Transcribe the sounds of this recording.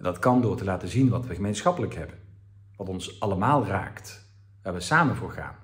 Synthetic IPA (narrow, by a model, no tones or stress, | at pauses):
ɛndɑtkɑndʊːɹtəlaːtəzinʋɑtʋəχəmejnsχɑpələkɦɛbən | ʋɑtɔnsʔɑləmaːlˠra̰ːkt | ʋaːɹʋəsaːmənvʊːɹχa̰ːn